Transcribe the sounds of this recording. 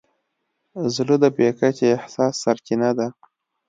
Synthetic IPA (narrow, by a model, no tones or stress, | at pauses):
zlud̪əbekakeːhsɑsːaɾt͡ʃinad̪a